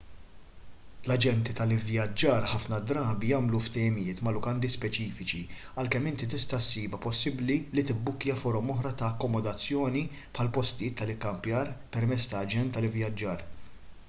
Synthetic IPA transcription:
lɐd͡ʒɛnt̪it̪ɐlɪvjɐd͡ʒːɐːɾħɐfnɐd̪ɾɐːbijɐːmluft̪ɛjɪmɪjɪːt̪mɐlʊkɐnd̪ispɛt͡ʃiːfɪt͡ʃi | ɐlkɛmːɪnt̪it̪ɪst̪ɐsːiːbɐpɔsːɪblilit̪ɪbːʊkːjɐfɔɾɔmɔħɾɐt̪ɐːkːɔmɔd̪ɐt͡sːjɔːni | pʰħɐlpɔst̪ɪjɪːt̪ːɐlɪkːɐmpjɐːɾpɛɾmɛt͡sːt̪ɐːd͡ʒɛnt̪ːɐlɪvjɐd͡ʒːɐːɾ

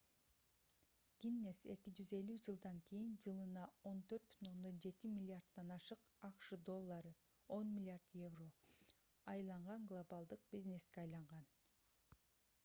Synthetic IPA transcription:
ɡʲinːe̞se̞̰kid͡ʒyze̞lʲyd͡ʒɯlˠd̪ɑŋkijind͡ʒɯlˠɯnɑo̞nt̪ʰøɾt̪̚by̥t̪ʰyno̞nd̪o̞nd͡ʒe̞t̪imʲilʲɪard̪ːɑnɑʃɯqɑqʃɯd̪o̞lˠːɑɾɯ | o̞nmʲilʲard̪je̞vro̞ | ɑjlˠɑɴʁɑŋɡlˠobalˠd̪ɯq̚bʲizne̞skeɑjlˠɑɴʁɑn

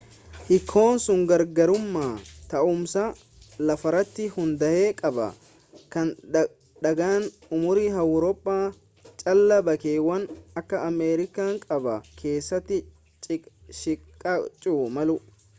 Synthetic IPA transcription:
hɪkʰːo̞ːnsʊŋɡɐɾɡɐɾʊmːaːt̪ɐʔʊmsa | lɐfɐɾɐt̪ːɪhʊnd̪ɐʔeːkʼɐbɐ̰ | kɐn | ᶑɐɡaːn | ʊmʊɾiɦɐwɾɔpʼːaː | t͡ʃʼɐlːɐbɐkeːwɐnɐkːɐʔːmeːɾɪkaːŋkʼɐbɐkʰe̞ːsːɐt̪ːɪ | t͡ʃʼɪʃɪkʼɐt͡ʃʼːuːmɐlʊ

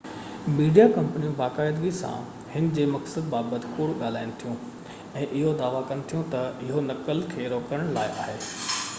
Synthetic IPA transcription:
miːɖijakɐ̃mpnijũbaːkaːɪd̪ɡisã̰ | hɪnd͡ʑeːmɐksəd̪̚baːbət̪ɪ̥kuːɽɠaːl̤aːɪɽ̃t̪ʰijũ | ɛ̃ːʔɪɦod̪aːʋakɐñɪt̪ʰijũt̪ɐɪɦonɐkəlkʰeːɾoːkəɾəɽ̃laːɪʔa̰ːɦeː

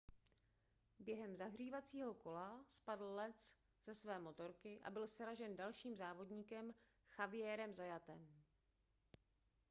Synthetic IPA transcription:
bjɛɦɛmzaɦr̝iːvat͡siːɦo̞ko̞laspadl̩lɛt͡s | z̥ɛsvɛːmo̞t̪o̞ɾkɪʔa̰bɪlsɛɾaʒɛndalʃiːmzaːvo̞dɲiːkɛm | xavɪjɛːɾɛmzajat̪ɛm

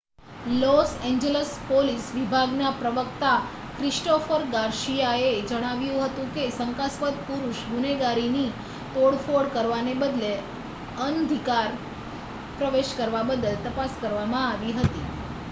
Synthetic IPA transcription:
loseɲd͡ʒeləspolisʋibʱaɡnapɾəʋəkt̪a | kɾɪsʈofəɾɡaɾʃijaed͡ʒəɽ̃aʋjũɦət̪ũkesəŋkaspət̪̚puɾuʃɡuneɡaɾini | t̪oɽfoɽkəɾʋanebəd̪le | ənd̪ʱikaɾ | pɾəʋeʃkəɾʋabəd̪əlt̪əpaskəɾʋamãaʋiɦət̪i

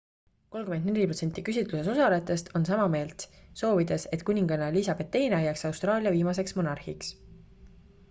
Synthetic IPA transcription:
ko̞lkymend̪ne̞lʲipro̞t̪se̞nt̪ːˑikysʲit̪luse̞so̞sɑle̞t̪ːˑe̞st̪ʰo̞ns̬ɑmɑme̞ːlt̪so̞ːvid̪̥e̞se̞t̪kunʲiŋɡ̥ɑneliːsɑb̥e̞t̪ːejnɑjæksɑwst̪ɾɑːlʲijɑviːmɑs̬e̞ksmo̞nɑrhiks

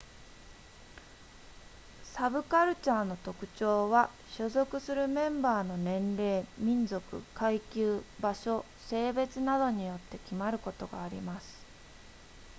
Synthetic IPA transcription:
sabɯ̟kaɾɯ̟t͡ɕaːno̞t̪o̞kɯ̟̥t͡ɕo̞ːβa | ɕozo̞kɯ̟sɨɾɯ̟mẽ̞mbaːno̞nẽ̞nɾe̞ːmʲĩnzo̞kɯ̟̰kaikʲɨːbaɕo̞ | se̞ːbe̞t͡sɨnad̪o̞ɲ̟ijo̞t̪ːe̞kʲimaɾɯ̟ko̞t̪o̞ɡaːɾʲḭmasɨ̥

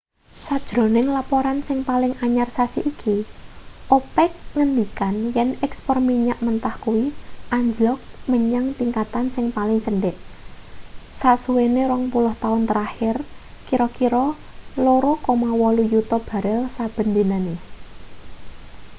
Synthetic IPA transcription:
sad̥ʒ̥ɾo̤nɪŋlapoɾansɪŋpalɪŋaɲarsasiʔikʰi | ʔopɛk̚ŋənd̪ikanjɛnɛkspɔrmiɲaʔmənt̪ahkuwiʔaɲd͡ʒlɔk̚məɲaŋt̪iŋkat̪ansɪŋpalɪŋt͡ʃəɳɖɛʔ | sasuweneɾɔŋpulʊht̪aʊnt̪əɾahɪr | kiɾɔkiɾɔ | loɾɔkɔmawɔlujut̪ɔb̥a̤ɾɛlsab̥ə̤nd̪enane

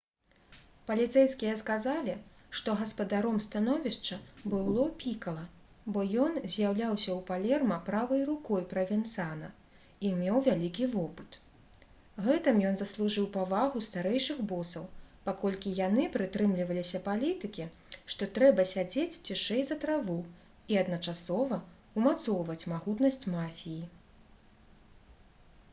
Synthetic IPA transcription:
pɐlʲit̪sɛjskʲijɐskazalʲiʂt̪ɔɣɐspɐd̪aɾɔmst̪anɔvʲiʂt͡ʂɐbɨlˠɔpʲikɐlˠɐ | bɔjɔnzʲjawlʲawsʲɐwpalʲɛrmɐpɾavɐjrukɔjpɾɐvʲɛnt̪sanɐ | imʲɛwvʲalʲikʲivɔpɨt̪ | ɣɛt̪ɨmjɔnzɐslˠuʐɨwpavaɣust̪aɾɛjʂɨxbɔsɐwpakɔlʲkʲijanɨpɾɨt̪ɾɨmlʲivɐlʲisʲɐpalʲit̪ɨkʲi | ʂt̪ɔt̪ɾɛbɐsʲad͡zʲet͡sʲt͡sʲiʂɛjzɐt̪ɾavu | iɐd̪nɐt͡ʂasɔvɐ | umat̪sɔwvɐt͡sʲmaɣut̪nɐsʲt͡sʲmafʲiji

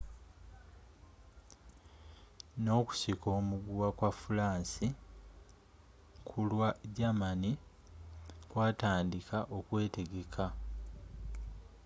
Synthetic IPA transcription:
no̞ːku̥siko̞ːmuɡuwakwafulaːnsi | kʰulwaɟamani | kwaːtaːndikʰaʔo̞kwe̞ːte̞ɡe̞kʰa

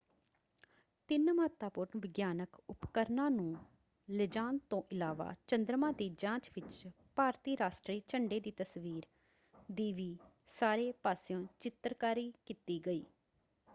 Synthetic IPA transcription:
t̪ɪnməət̪aːpʊɾnʋɪɡjaːnəkʊpkəɾnãːnũː | lɪd͡ʒãːnt̪õːʔɪlaːʋa̰ːt͡ʃənd̪ɾmãːd̪iːd͡ʒãːt͡ʃʋɪt͡ʃ | paːɾt̪iːɾaːʃʈɾiːt͡ʃəɳɖeːd̪iːt̪əsʋiːɾ | d̪iːʋiː | saːɾeːpaːsɪjõːt͡ʃɪt̪ɾkaːɾiːkiːt̪iːɡəḭː

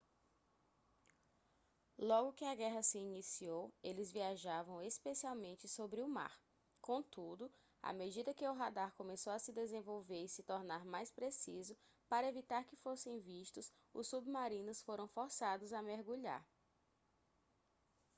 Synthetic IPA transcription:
lɔɡʊkɪaɡɛɦɐsɪːnisiowelɪzviaʒavɐ̃w̃espesiawmẽnt͡ʃɪsobɾɪʊma̰ɾ | kõt̪ud̪ʊ | a̰med͡ʒid̪ɐkɪʊɦad̪aɾkõmesowɐsɪd̪ezẽvowveɾisɪt̪ɔɾnaɾmajspɾesizʊ | paɾɐevit̪aɾkɪfosẽj̃viʃt̪ʊs | ʊsːubmaɾĩnʊsfoɾɐ̃w̃foɾsad̪ʊzɐmeɾɡuʎa̰ɾ

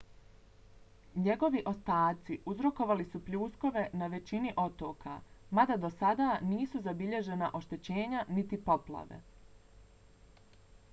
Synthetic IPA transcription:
ɲe̞ɡo̞ʋiʔo̞st̪aːt̪siʔuzɾo̞ko̞ʋalisupʎuːsko̞ʋe̞naʋe̞t͡ɕiniʔo̞t̪o̞ːkamad̪ad̪osad̪aːniːsuzabiʎe̞ʒe̞naʔo̞ʃt̪et͡ɕe̞ːɲanit̪ipo̞plˠa̰ʋḛ

